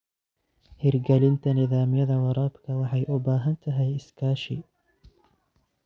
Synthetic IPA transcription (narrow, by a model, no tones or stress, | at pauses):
hɪrɡɐlɪnt̪ʰɐnɪðaːmɪjɐðɐwɑɾaːbkʰɐwɑħɑjʔʊbaːɦɐnt̪ʰɐɦɛjɪskʰaːʃɪ̰